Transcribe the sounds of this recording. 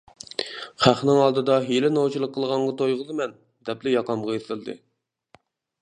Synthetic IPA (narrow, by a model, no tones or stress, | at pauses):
χæχnɪŋɑlˠd̪ɨd̪ɑɦelɪnot͡ʃʰilˠəqʰːəlˠʁɑɴʁɑt̪ʰojʁəzɨmɛn | d̪ɛplɪjɑqɑmʁɑjeθɪlˠd̪ɨ̰